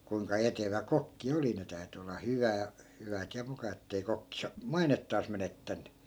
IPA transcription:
kuiŋkɑ eteʋæ kokːi oli ne tæy̞ty olːɑ hyʋæː hyʋæt jɑ mukɑ etːei kokːi sɑ mɑinetːɑːs menetːænːy

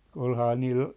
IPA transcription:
olhɑː niːl

